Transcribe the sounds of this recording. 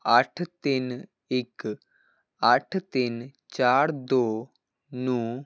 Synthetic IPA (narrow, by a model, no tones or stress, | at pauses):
aʈʰt̪in | ɪk | aʈʰt̪int͡ʃaːɾd̪oː | nu